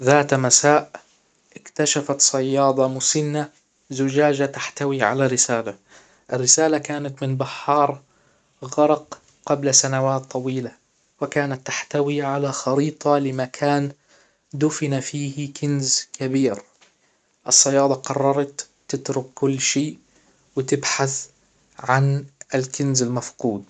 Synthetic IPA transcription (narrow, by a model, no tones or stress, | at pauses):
ðaːt̪masaːʔ | ʔɪkt̪aʃafat̪sˤɑjːɑːd̪ˤɑmʊsɪnːa | zʊd͡ʒaːd͡ʒat̪aħt̪awiʕa̰larɪsaːla | ʔɪrːɪsaːlakaːnat̪mɪnbaħːɑːɾˤ | ɣɑɾˤɑq | qablasanawaːt̪ˤːɑwiːla | wɪkaːnat̪ːaħt̪awiʕalaxɑɾiːt̪ˤɑlɪmakʰaːn | d̪ʊfɪnafiːhkɪnzkʰabiːɾ | ʔɪsˤːɑjɑːd̪ˤɑqɑrˤːɑɾˤɑt̪ː | ɪt̪ɾʊkːʊlːʃeːʔ | wɪt̪ɪbħaθ | ʕanɪlkɪnzɪlmafquːd̪̚